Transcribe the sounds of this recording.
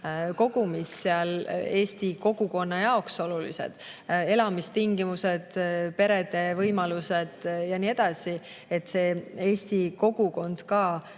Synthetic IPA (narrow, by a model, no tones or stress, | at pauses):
ko̞ɡ̥umisːeɑle̞ːst̪iko̞ɡ̥uko̞nːɑjɑokso̞lulḭse̞̰d̪̥e̞lɑmist̪iŋɡ̥imuse̞d̪̥pe̞ɾe̞d̪̥e̞vɤjmɑluse̞d̪̥jɑnie̞d̪̥ɑsi | et̪ːˑse̞ːeːst̪iko̞ɡ̥uko̞nd̪̥kɑː